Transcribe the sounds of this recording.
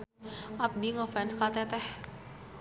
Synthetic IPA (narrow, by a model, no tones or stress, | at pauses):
ʔap̚diŋɔfɛnskat̪ɛt̪ɛh